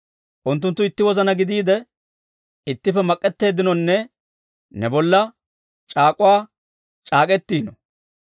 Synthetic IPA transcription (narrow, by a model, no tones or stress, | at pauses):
ʔʊnt̪ːʊnt̪ːʊɪt̪ːɪwɔzɐnɐɡɪd̪iːd̪ɛ | ɪt̪ːɪfɛmɐkʼːɛt̪ːe̞ːd̪ɪnɔnːɛ | nɛbɔlːɐ | t͡ʃʼaːkʼʊwaː | t͡ʃʼaːkʼɛt̪ːiːnɔ